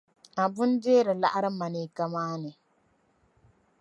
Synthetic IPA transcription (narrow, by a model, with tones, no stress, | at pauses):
a˨bʊ˦n˦deː˦ɾɨ˨la̰˦ʔa˦ɾɨ˦ma˨niː˨ka˦maː˦nɨ˨